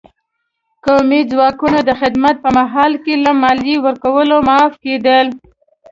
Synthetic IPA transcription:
kamizwɑkunad̪əxɪd̪mat̪̚pəmaɦɑlkelamɑljiwəɾkawəlomɑfked̪əl

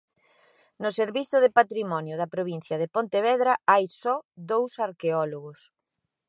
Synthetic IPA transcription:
nʊseɾβiθʊðepat̪ɾimɔnjʊðɐpɾoβ̞in̟θjɐðɪpont̪eβɛðɾɐajsɔd̪owsaɾkeɔloɣʊs

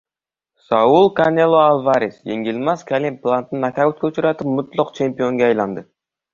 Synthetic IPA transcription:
sɑulˠkanelˠoalˠvaɾisjḛŋɡʲilʲmɑskʲʰalʲimplˠant̪nnɑkʲʰaøt̪kʲeut͡ʃuɾɑt̪ɨp̚mʊt̪lˠʊqt͡ʃʰempijoŋɡʲɛːjlˠɑnd̪ɨ

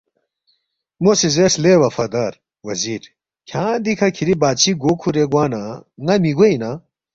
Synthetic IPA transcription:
mosizeslewɐfɐd̪ɐɾ | wɐziːɾ | kʰjãːd̪ikʰɐkʰiɾibaːt͡ɕʰiɡoːkʰuɾeɡwaːnaŋɐmiɡoina

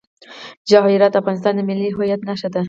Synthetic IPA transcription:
d͡ʒɑɦiɾɑt̪afɣɑnɪs̬t̪ɑnd̪əmɪlːiɦʊjat̪naʃad̪a

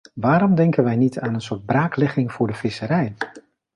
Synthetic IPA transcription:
ʋaːɾɔmdɛŋkənʋɛjnitaːnənsʊːɹd̚braːklɛχɪŋv̥ʊːɹdəvɪsəɾɛj

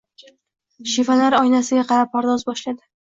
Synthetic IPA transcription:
ʃivalaɾɒjnasɪɡʲaqʰɑɾap̚ʰːɒɾd̪ɒzbɒʃlad̪ɪ

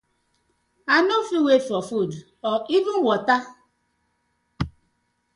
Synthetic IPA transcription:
anofiwefɔfud | ɔʔivuwɔta

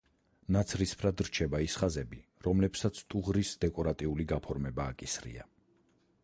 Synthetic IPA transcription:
nat̪sʰɾispʰɾad̪ɾt͡ʃʰɛbaisχazɛbiɾɔmlɛpsat̪sʰt̪ʼuʁɾisd̪ɛkʼɔɾat̪ʼiuliɡapʰɔɾmɛbaːkʼisɾḭa̰

